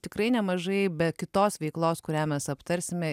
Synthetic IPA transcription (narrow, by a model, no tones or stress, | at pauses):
t̪ʲɪkɾɐɪnʲɛmɐʒɐɪbʲɛkʲɪt̪oːsʋʲɛɪklˠoːskʊɾʲæːmʲɛsɐpt̪ɐɾʲsʲɪmʲɛ